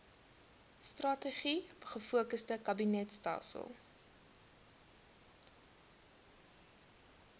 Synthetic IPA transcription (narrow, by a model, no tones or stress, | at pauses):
strɐtəχibəχəfuəkəstəkɐbinɛtstɑ̰ːsə̰lˠ